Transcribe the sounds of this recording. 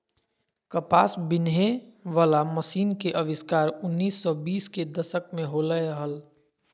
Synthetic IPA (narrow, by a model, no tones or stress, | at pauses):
kəpaːsbɪnɦeʋaːlaməsiːnkeʔəʋɪskaːɾʊnːiːsːɔbiːsked̪əʃək̚mẽɦoːləəɦəl